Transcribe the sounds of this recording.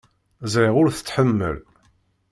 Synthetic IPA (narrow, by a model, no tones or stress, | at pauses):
zɾɪʁʊɾθə̥t͡sːħəmːə̰l